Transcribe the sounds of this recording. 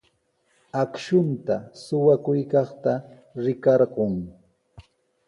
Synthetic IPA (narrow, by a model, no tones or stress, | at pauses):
akʃʊnt̪asʊwakʊjkɑχt̪a | ɾɪkɑɾɢoŋ